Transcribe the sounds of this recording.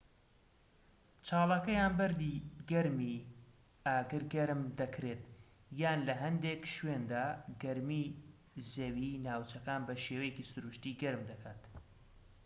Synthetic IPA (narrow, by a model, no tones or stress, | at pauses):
t͡ʃʰaːlˠɑːkɐjaːnbɐɾd̪iɡɐɾmi | aːɡɨɾɡɐɾmd̪ɐkʰɾeːt̪ | jaːnlɐɦɐnd̪ekʃwend̪aːɡɐɾmi | zɐwinaːwt͡ʃɐkaːnbɐʃeːwɐjecisʊɾuʃt̪iːɡɐɾɨmd̪ɐkʰaːt̪